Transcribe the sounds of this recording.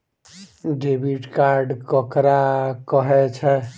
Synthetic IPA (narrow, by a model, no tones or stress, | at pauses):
ɖebiʈkaɾɖkəkɾakəɦɛt͡ʃʰɛ